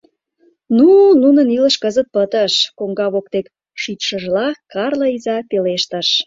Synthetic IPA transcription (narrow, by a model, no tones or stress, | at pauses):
nununəniləʃkəzət̪̚pət̪əʃkoŋɡɑβokt̪ek | ʃyt̪ʃəʒlɑkɑrləizɑt̪eleʃt̪əʃ